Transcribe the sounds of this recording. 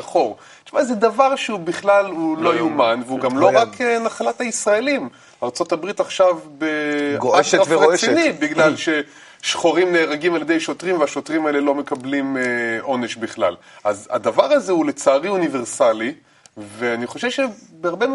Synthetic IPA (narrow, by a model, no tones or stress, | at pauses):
χo̞ʁ | t͡ʃumazed̪avaʁʃeubiχlalhulo̞jumanveuɡamlo̞ʁakenaχalathaisʁaelim | aːʁt͡so̞tabʁit̪aχʃavbeɡoakafʁesinibiɡlalʃe̞ | ʃχoʁimne̞ːʁaɡimaljed̪ejʃotʁimveaʃo̞tʁimaelelo̞me̞kablimʔo̞neʃbiχla̰l | aza̰d̪avaʁazeulet͡saːʁiunive̞ʁsali | veaniχo̞ʃevʃebeaʁbe